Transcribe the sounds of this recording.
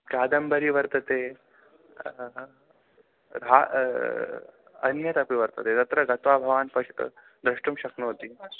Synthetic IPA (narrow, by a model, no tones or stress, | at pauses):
kaːd̪ɐmbɐɾiʋɐɾt̪ɐt̪eː | ɾa | ɐ̰njɐt̪ɐpiʋɐɾt̪ɐt̪eːt̪ɐt̪ɾɐɡɐt̪ʋaːbʱɐʋaːnpɐʂʈ | d̪ɾɐʂʈumʃɐknot̪iː